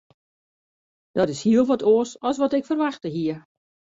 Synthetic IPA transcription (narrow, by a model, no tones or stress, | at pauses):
d̥ɔtɪshiəlˠʋɔtʰoəsɔsʋɔtɪkfərʋaxtəɦiə